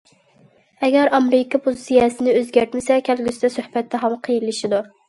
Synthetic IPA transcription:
ɛɡʲæɾɑmɾɪkʰɑpʰuzsijɑsɪnɪøzɡʲæɾt̪mɪsɛkʲʰælɡʲysɪd̪ɛsøhbɛt̪ʰːɛɦɑmqʰəjilːɪʃid̪u

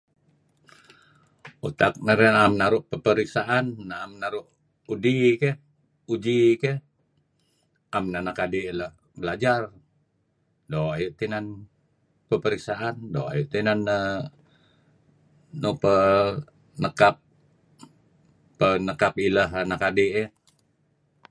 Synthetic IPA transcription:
ut̪ak̚nəɾɛnamnaɾʊʔpəpəɾiksaʔanːaːmnaɾʊʔ | udike | ud͡ʒikɛ | amnanakadiːləh | bəlad͡ʒar | doajuʔt̪inan | pəpəɾiksaʔandoa̰juʔt̪inanə | nopə | nəkap̚ | ənəkapilaɦanakadɪʔe

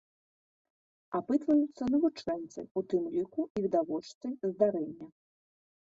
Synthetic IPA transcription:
apɨt̪vɐjut̪sːɐnɐvut͡ʂɛnt̪sɐ̰jut̪ɨmlʲikuivʲid̪avɔt͡ʂt̪sɐjzd̪aɾɛnʲːɐ

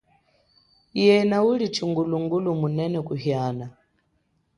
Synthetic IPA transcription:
jɛnaulit͡ʃʰiŋɡuluŋɡulumunɛnɛkuɦjaːna

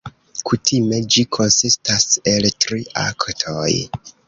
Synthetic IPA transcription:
kutʰime̞d͡ʒikʰo̞nsistaseltɾiʔa̰ktʰo̞j

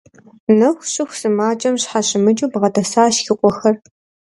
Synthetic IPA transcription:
nɐxʷɕʼɪxʷsɨmaːt͡ʃʼɐmɕħaɕʼɪmɨt͡ʃʼuːbʁɐdɐsaːɕxɪqʷʼɔxɐr

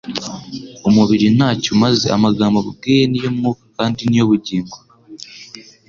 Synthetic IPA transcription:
omuβiɾinaːcomazea̰maɡaːmboβuɡejenijomumuːkḁkaːndinijo̞βuɟiːŋɡa

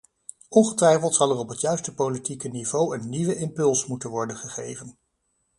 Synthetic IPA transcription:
ɔnχətʋɛjfəlˠtsɑlˠɛrɔpɦətjœɥstəpolitikənivowənːiʋəʔɪmpɵlˠsmutənʋɔɹdənχəχḛjvən

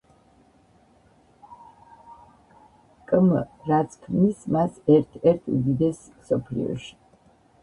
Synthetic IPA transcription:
kʼmɾat̪sʰkʰmnismasɛɾt̪ʰɛɾt̪ʰṵd̪id̪ɛs | msɔpʰlḭɔ̰ʃi̥

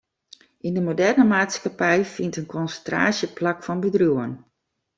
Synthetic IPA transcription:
ʔindəmodɛrnəmaːtskapɛjfintənkʰɔnsəntra̰ːsjəplakfɔnbədruən

